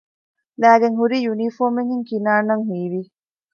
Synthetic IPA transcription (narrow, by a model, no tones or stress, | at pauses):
læːɡeŋɦuɾiːjunifoːmeŋɦiŋkinaːnɐŋɦiːʋi